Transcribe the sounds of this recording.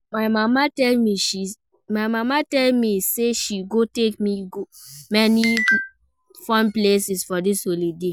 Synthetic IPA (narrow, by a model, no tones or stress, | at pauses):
maɪmamatɛlmiʃi | maɪmamatɛlmiseʃiɡotekmiɡo | mɛni | fãnplesisfɔdisholide